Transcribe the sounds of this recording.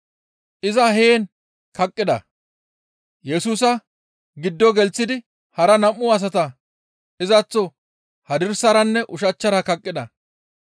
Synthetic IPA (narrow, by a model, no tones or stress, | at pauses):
ʔɪzɐɦeːn | kɐkʼːɪd̪ɐ̰ | jɛsuːs̬ɐ | ɡɪd̪ːɔɡɛlt͡sːɪd̪ɪ | hɐɾɐnɐmːʊɐs̬ɐt̪ɐ | ɪzɐt͡sːɔ | hɐd̪ɪɾsɐɾɐnːɛʔʊʃɐt͡ʃːɐɾɐkɐkʼːɪd̪ɐ